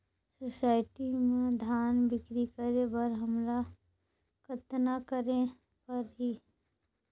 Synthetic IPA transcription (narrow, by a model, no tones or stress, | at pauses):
sosaːɪʈimẽd̪ʱaːnbɪkɾikəɾebəɾɦəmɾa | kət̪nakəɾẽ | pɐɾɦiː